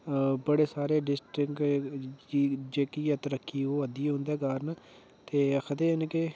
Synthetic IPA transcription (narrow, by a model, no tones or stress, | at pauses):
bəɽeːsaːɾeːɖɪsʈɾɪkː | d͡ʒeːkijaːt̪əɾəkʰːiːoːəd̪iːɦʊ̃nd̪ɛːkaːɾn | t̪eːkʰət̪eːɦnke